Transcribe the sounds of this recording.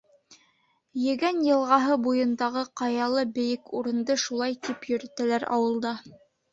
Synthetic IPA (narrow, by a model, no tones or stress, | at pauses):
jɘ̆ɡænjɤ̆lˠʁɑɦɤbujɤ̆nd̪ɑʁɤqɑjɑlˠɤbɘ̆jɘkuɾɤ̆nd̪ɤʃulˠɑjt̪ipjɵ̆ɾɘ̆t̪ælæɾɑ̰wɤ̆lˠd̪ɑ